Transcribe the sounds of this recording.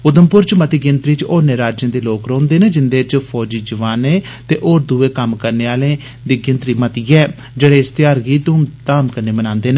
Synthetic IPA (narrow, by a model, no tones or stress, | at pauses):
ʊd̪əmpʊɾt͡ʃmət̪iːɡɪnt̪ɾiːt͡ʃoːɾneːɾaːd͡ʒẽːd̪eːloːkɾõːnd̪eːneːd͡ʒɪnd̪eːt͡ʃpʰɔːd͡ʒiːd͡ʒəʋaːneː | t̪eːʔoːɾd̪uːeːkəmkəɾneːaːlẽː | d̪iːɡɪ̃nt̪ɾiːmət̪iːɛː | d͡ʒeːɽeːst̪ɪjaːɾɡiːt̪ʊmt̪aːmkəɾneːmənãːnd̪eːneː